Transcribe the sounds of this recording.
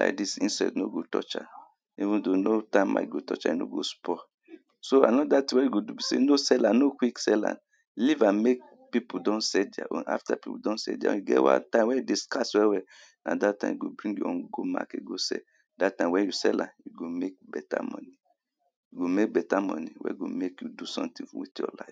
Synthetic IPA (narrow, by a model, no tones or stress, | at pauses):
la̰jk̚disĩnsadnoɡotɔ̰t͡ʃa̰ | ivũndonotãɪma̰jɡotɔ̰t͡ʃa̰jino̰ɡospɔ | soa̰nɔdatĩwɛ̃juɡodubisḛnosɛlanokwiksɛlã̰n | livãmek̚ | pipudɔ̃nsɛda̰ʔõa̰ftapipṵdɔ̃nsɛ̰diã̰juɡɛ̰wã̰ntãɪ̃mwɛ̃jidiskaswɛwɛ | nʔadatːã̰ɪ̃mjuɡobɹĩŋɡjṵɔ̃nɡoma̰keɡosɛ̰ | datːãmwɛ̃njusɛlã̰njuɡomek̚bɛta̰mɔ̰̃ni | juɡomek̚bɛtamɔniwɛ̰ɡo̰mekjudusɔ̰̃mtĩwḭtjɔ̰laɪf